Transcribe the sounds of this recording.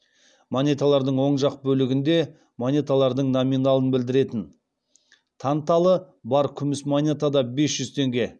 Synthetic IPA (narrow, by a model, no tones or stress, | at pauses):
monʲet̪alˠɑɾd̪əɴwo̞ɴʒɑq̚bɵlɪɡʲɪnd̪e̞ | monʲet̪alˠɑɾd̪əɴnominalˠənbɪld̪ɪɾe̞t̪ɪn | t̪ʰɑnt̪ɑlˠə | bɑɾkʲʰʏmɪsmonʲet̪ad̪ɑbe̞sʒ̥ʏzt̪ʰe̞ŋɡʲe̞